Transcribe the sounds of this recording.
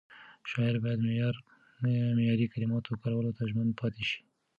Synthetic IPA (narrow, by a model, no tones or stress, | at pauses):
ʃɑɪɾbɑjad̪mɾ | mejɑɾikalɪmɑt̪okaɾawalot̪aʒmanpʰɑt̪eʃi̥